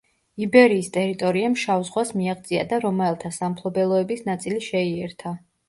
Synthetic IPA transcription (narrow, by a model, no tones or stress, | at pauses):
ibɛɾiːst̪ʼɛɾit̪ʼɔɾiamʃavzʁwasmiaʁd̪zʼia̰d̪aɾɔmɛɛlˠt̪ʰasampʰlˠɔbɛlˠɔɛbisnat̪sʼiliʃɛiɛɾt̪ʰa